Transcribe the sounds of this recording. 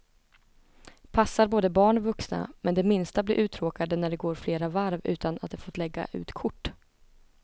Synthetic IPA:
pʰasːaɾboːd̪əbɑːɳvɵksna̰mɛnd̪ɛmɪnst̪abliːʔʉ̟ːt̪ʰɾoːkad̪ənæɖɛɡoːɾfleːɾavaɾvʉ̟ːt̪ʰana̰t̪̚d̪ɛfoːt̪lɛɡːa̰ʔʉ̟̰ːt̪kʰʊʈː

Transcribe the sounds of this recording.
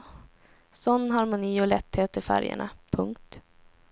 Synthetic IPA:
sɔnːɦaɾmʊniːɔlɛt̪ːheːt̪ɪfæ̰ɾjə̰ɳapʰɵŋk̚t̪

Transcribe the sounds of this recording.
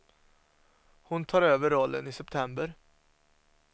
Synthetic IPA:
hʊnt̪ʰɑːɾøːvəɾːɔlːə̰nɪsɛp̚t̪ʰɛmbəɾ

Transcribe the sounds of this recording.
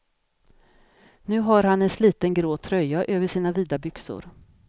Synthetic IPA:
nʉ̟ːɦaɾhanɛnsliːt̪ənɡɾoːt̪ʰɾœjaʔøːvəʂiːnaviːd̪abʏksʊ̰ɾ

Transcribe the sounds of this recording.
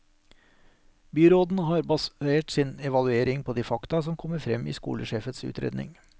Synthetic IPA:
byːɾoːd̪n̩hɑːɾbɑseːʈsɪːnɛʋɑlʉeːɾɪŋpʰoːd̪iːfɑkt̪ɑsɔmkʰɔməɾfɾɛmḭːskṵːləʃeːfət̪sʉ̰ːt̪ʰɾḛːd̪nɪ̰ŋ

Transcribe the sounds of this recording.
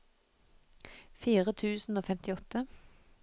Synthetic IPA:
fiːʁət̪ʰʉːsn̩oːfɛmt̪ɪɔt̪ə

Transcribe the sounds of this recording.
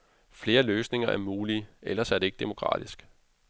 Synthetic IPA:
fle̝ːɐløːsne̝ŋɐʔæɐmuːliʔelɐsæɐd̥e̝e̝ɡ̥̚d̥e̝mo̝kʰʁɑ̰̈ːd̥isɡ̥

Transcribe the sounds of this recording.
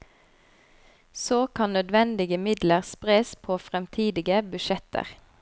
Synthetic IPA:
soːkʰɑnnœd̪ʋɛnd̪ɪɡəmɪd̪ləʁspʁeːspʰoːfʁɛmt̪ʰiːd̪ɪɡəbʉʃɛt̪ʰə̰ʁ

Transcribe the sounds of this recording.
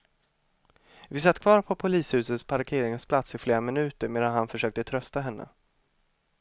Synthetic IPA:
vɪsat̪ːkʰvɑːɾpʰɔpʰʊliːshʉ̟ːsət̪spʰaɾkʰeːɾɪŋspʰlat̪sɪfleːɾamɪnʉ̟ːt̪əɾmeːd̪anɦanfœʂøːk̚t̪ət̪ʰɾœst̪aɦɛnːə̰

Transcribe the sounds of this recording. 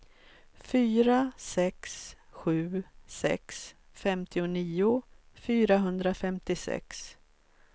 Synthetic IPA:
fyːɾasɛksɧʉ̟ːsɛ̰ks | fɛmt̪ʰɪʊniːʊ | fyːɾaɦɵnd̪ɾafɛmt̪ɪsɛ̰ks

